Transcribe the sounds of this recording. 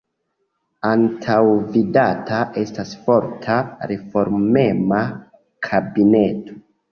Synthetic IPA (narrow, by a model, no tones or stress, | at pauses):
antʰawvidatʰaʔe̞stasfo̞ɾtʰaɾe̞fo̞ɾme̞ma | kʰabine̞to